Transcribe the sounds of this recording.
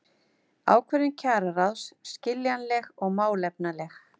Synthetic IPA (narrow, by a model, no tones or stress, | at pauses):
a̰ːwkʰvɛɾɪncʰaːɾaɾawsscɪljanlɛɣɔɣmaːwlɛp̚nalɛx